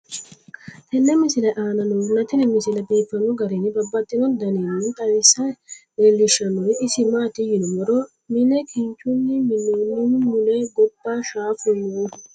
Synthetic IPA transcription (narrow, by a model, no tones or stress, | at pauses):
t̪ɛnːɛmɪsɪlɐʔaːnɐnɔnːɐt̪ɪnɪmɪsɪlɐbiːfːɐnɔɡɐɾenɪbɐbːɐt̪ʼːɪnɔd̪ɐnenːɪt̪ʼɐwɪsɐdelːɪʃɐnɔɪsɪmaːt̪ɪjɪnɔmɔɾɔ | mɪnɛkʰɪɲt͡ʃʼːʊnːɪmɪnːoːnːɪmʊleɡɔbːaːʃaːfʊnu